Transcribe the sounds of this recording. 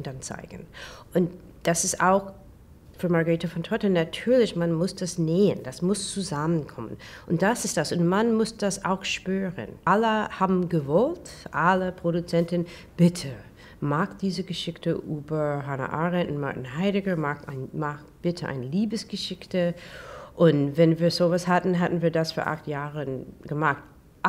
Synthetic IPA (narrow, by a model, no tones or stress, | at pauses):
ʊnd̥ant͡sa̰ɪɡ̥ən̩ʔʊnt | d̥asɪsta̰ʊx | fyːɐmaʁɡəʁiːtəfɔntʰʁɔtənatʰyːɐlɪçmanmʊsd̥asneːə̰nd̥asmʊst͡suzamənkʰɔmə̰nʔʊnt̚d̥asɪstd̥asʊntmanmʊsd̥asa̰ʊxʃpyːʁə̰nʔaləhaːbm̩ɡəvɔltʔaləpʁ̥oɾut͡sɛntɪn | b̥ɪtʰə | maːkd̥iːzəɡəʃɪçtəʔyːbɐ˞ɦana̰ʔaːʁɛntʊnma̰ɐtɪnɦaɪɾɪɡəmaːkaɪnmaːkb̥ɪtʰəʔa̰ɪnəliːbəsɡ̥əʃɪçtə | ʔʊntvɛnviːɐzoːvashatn̩ɦatn̩viːɐdasfoːɐʔa̰xtjaːʁənɡ̥əmaxt̚